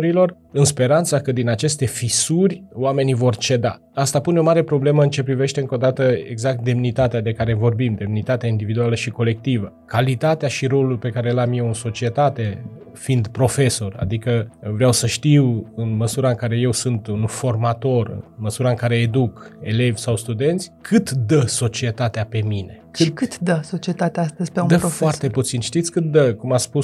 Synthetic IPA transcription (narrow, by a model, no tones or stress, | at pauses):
ɾilo̞r | ɨnspe̞ɾant̪sakəd̪inat͡ʃe̞st̪e̞fisurʲowame̞nivo̞rt͡ʃe̞d̪a̰ | ast̪apuneo̞maɾe̞pɾo̞ble̞məɨnt͡ʃe̞pɾive̞ʃt̪e̞ɨŋko̞d̪at̪əḛɡzak̚t̪̚d̪e̞mnit̪at̪ead̪e̞kaɾe̞vo̞rbimd̪e̞mnit̪at̪eaind̪ivid̪ualəʃiko̞le̞k̚t̪ivəkalit̪at̪eaʃiɾo̞lulpe̞kaɾe̞lamjewɨnso̞t͡ʃie̞t̪at̪e̞ | find̪pɾo̞fe̞so̞ra̰d̪ikəvɾeawsəʃt̪iwɨnməsuɾaɨŋkaɾe̞je̞wsɨnt̪unufo̞rmat̪o̞rɨ̰nməsuɾaɨŋkaɾe̞ːd̪uke̞le̞vʲsawst̪ud̪e̞nt̪sʲkʰɨt̪d̪əso̞t͡ʃiet̪at̪eape̞mine̞kʃɨkɨt̪d̪əso̞t͡ʃiet̪at̪eaast̪əzʲpeud̪əfoart̪e̞put̪sinʃt̪it̪sʲkɨt̪̚d̪əkumat̪spus